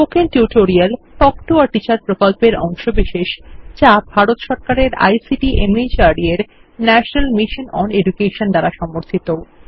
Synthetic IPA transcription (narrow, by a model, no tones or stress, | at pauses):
pokenʈuʈoɾialʈɔkʈuaɾʈit͡ɕaɾpɾokolpeɾɔŋʃobiʃeʃt͡ɕabʱaɾot̪ʃɔɾkaɾeɾa̰jsiʈiʔemid͡ʑaɾɾieɾ | nɛʃonalmiʃonɔneɖukeʃond̪aɾaʃɔmoɾt̪ʰit̪o